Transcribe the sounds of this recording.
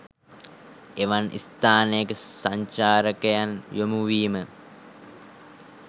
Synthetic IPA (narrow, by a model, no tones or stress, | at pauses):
eʋanʔḭst̪aːnejəkəsaɲt͡ʃaːɾəkəjanjomuʋiːmə